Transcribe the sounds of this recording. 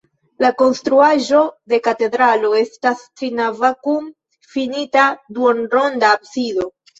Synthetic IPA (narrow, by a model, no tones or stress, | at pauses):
lako̞nstɾuaʒo̞de̞kate̞dɾalo̞e̞stastɾinavakum | finitaduonɾo̞ndaːbsido̞